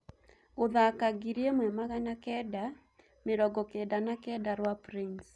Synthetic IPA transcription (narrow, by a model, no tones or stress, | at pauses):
oðakaɡiɾiemwɛmaɣanakɛda | meɾɔɡɔkɛdanakɛdaɾwapɾins